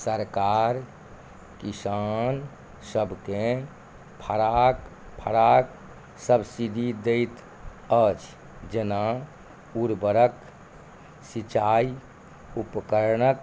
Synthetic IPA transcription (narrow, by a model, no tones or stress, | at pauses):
səɾkaːɾ | kisaːn | səbʱke | pʰəɾak | pʰəɾaːk | səbsid̪ʱid̪eɪt̪ | ət͡ʃ | d͡ʒena | uɾbəɾək | sit͡ʃaːi | upkəɾnək